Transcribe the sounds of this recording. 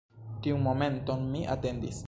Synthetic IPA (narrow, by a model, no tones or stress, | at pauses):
t̪iuŋmomẽnt̪onmiʔa̰t̪end̪ḭs